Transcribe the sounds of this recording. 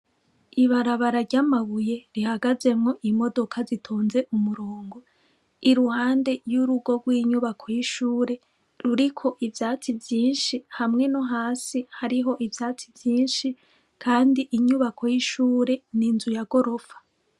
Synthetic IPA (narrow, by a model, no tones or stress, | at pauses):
iβaɾaβaɾaɾɟamaβuje̞ɾihaɡaze̞mŋo̞ʔimo̞do̞kʰazitʰoːnze̞ʔumuɾoːŋɡo | iɾuhaːnde̞juɾuɡo̞ɡwiːɲuβakʰo̞jiʃuːɾe̞ | ɾuɾikʰo̞ʔivjaːt͡sivjiːnʃihamŋe̞noɦaːsihaɾiɦo̞ʔivjaːt͡sivjiːnʃi | kʰaːndiʔiɲuβakʰo̞jiʃuːɾe̞ninzujaɡ̥o̞ɾo̞fḁ